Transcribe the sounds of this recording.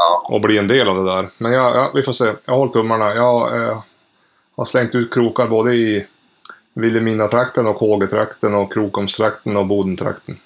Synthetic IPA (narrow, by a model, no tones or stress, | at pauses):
ɔ̰bliːɛnd̪eːlavd̪ɛd̪æɾmɛnjɑjɑ̰vɪfoːseːjɑ̰ɡhɔlt̪ʰːɵmːaɳajɑː | ha̰ɾslɛŋt̪ʉ̟ːt̪̚kʰɾuːkaɾboːd̪əɪ | vɪlːɪmiːnat̪ʰɾakt̪ənɔkhoːɡət̪ʰɾa̰kt̪ənɔkʰːɾuːkɔmst̪ʰɾakt̪ənɔbuːd̪ənt̪ʰɾa̰kt̪ən